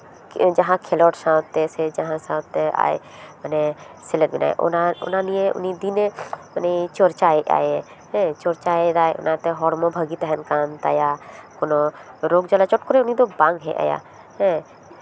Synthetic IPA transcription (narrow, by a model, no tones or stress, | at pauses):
d͡ʒɐɦãkʰelɔːʈsãt̪ːesed͡ʒəɦãsãt̪ːea̰ːḛ | məne | sɪləɾbɪna̰ːḛʔo̰naʊ̰nãnijẽʊ̰nid̪inemənet͡ʃoɾt͡ʃaːeʔa̰ːj | ɦɛ̃t͡ʃoɾt͡ʃaːeɾaːeʔʊ̰nãt̪eɦɔːɾmõbʱəɡit̪ɛɦənkaːnt̪a̰ːjakoːnoɾoːɡd͡ʒəlat͡ʃɔʈ̚koɾeʊnid̪obãːŋɡɦḛʔa̰ːja̰ː | ɦɛ̃